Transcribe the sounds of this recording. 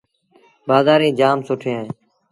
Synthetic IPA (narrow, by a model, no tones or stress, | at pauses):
baːzaːɾĩːd͡ʒaːmsʊʈʰẽː